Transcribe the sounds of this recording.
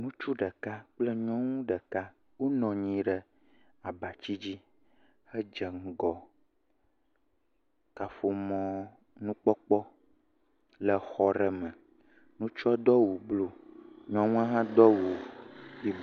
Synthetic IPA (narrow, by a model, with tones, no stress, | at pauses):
nũ˦t͡ʃu˦ɖə˨ka˦k͡plə˦ɲɔ̃˦ŋũ˦ɖə˨ka˦ | wo˦nɔ̃˨ɲĩ˨ɖə˨ | a˨ba˨t͡ɕi˦d͡ʑi˦ | hə˦d͡ʒə˨ŋ̩˨ɡɔ˨ | ka˨fo˨mɔ̃˦ | nũ˦k͡pɔ˦k͡pɔ˦ | lə˨xɔ˦ɾɛ˨mə̃˨ | nũ˦t͡ʃɔ˦d̪ɔ˦wu˨blo˨ɲɔ̃˦ŋũ˦ã˦ɦã˦d̪ɔ˦wu˨i˦